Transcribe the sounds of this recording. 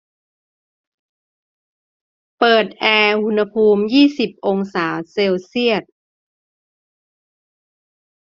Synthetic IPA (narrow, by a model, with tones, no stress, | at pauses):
pɤː˨˩t̪̚ʔɛː˧hu˧nha˧pʰuː˧mjiː˥˩si˨˩p̚ʔo˧ŋsaː˩˦wse˧wsi˥˩ət̪̚